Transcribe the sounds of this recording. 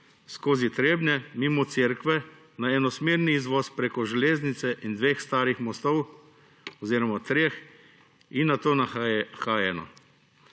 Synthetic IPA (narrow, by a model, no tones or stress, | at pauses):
skoːzit̪ɾeːbnɛmimɔt̪seːɾkʋɛ | naɛnɔsmeːɾniːzʋɔːspɾeːkɔʒɛleːznit̪sɛʔind̪ʋeːxst̪aːɾixmɔst̪ɔw | ɔziːɾɔmat̪ɾex | inːat̪oːnaxaːjɛnɔ̰